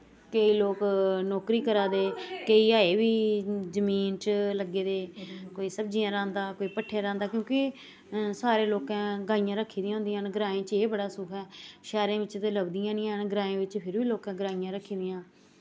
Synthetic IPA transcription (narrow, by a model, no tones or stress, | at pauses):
kəiːloːknɔːkɾiːkəɾaːd̪eːkəiːaːeːʋiːzəmiːnt͡ʃləɡːeːd̪eːkoːiːsəbd͡ʒijãːɾãːnd̪aːkoːiːpəʈʰːeːɾãːnd̪aːkjõːkɪ | saːɾeːloːkãːɡaːijãːɾəkʰːiːd̪ĩjãɦʊ̃nd̪ijãɦnɡɾaːẽːt͡ʃeːbəɽaːsʊkʰɛːʃɛːɾẽːʋɪt͡ʃt̪eːləbd̪ɪjãːnĩːnɡɾaːẽːʋɪt͡ʃpʰɪɾʋiːloːkãːɡɾaːijãːɾəkʰːiːd̪ɪjãː